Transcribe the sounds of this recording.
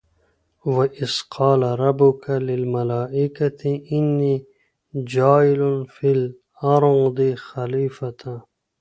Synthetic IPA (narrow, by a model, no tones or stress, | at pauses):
waʔɪzqʰɑːlaɾˤɑbːʊkʰalɪlmalaːʔɪkat̪ɪʔɪnːiː | d͡ʒaːɪlʊnfil | ɑɾˤod̪ixaliːfat̪a